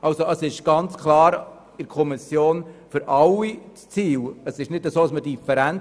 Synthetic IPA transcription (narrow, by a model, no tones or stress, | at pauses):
ʔɑlsoʔəsɪʃɡ̥ɑnt͡skʰlɑːɾ | ɪɾkʰɔmisjoːnfʏɾʔɑlːit͡st͡siːləsɪʃnɪdəsoːɑsmədifɛɾæn